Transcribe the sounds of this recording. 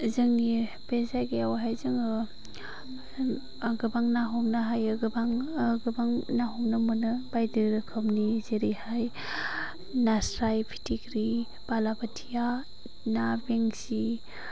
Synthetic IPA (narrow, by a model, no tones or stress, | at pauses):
zɯŋni | bezajɡejawɦajzɯŋɯ | ɡɯbaŋnaɦomnɯɦajɯɡɯbaŋɡɯbaŋnaɦomnɯmɯnɯbajdiɾɯkʰɯmnizeɾihaj | nasɾajpʰi̥tʰikɾi | b̥alabatʰija | nabeŋsi